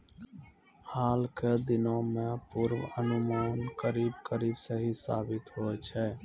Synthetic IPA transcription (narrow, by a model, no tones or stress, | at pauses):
haːlked̪ɪnõmẽpʊɾʋənʊmaːnkəɾiːbkəɾiːbsəɦisa̰ːbɪt̪ɦoɛt͡ʃʰɛː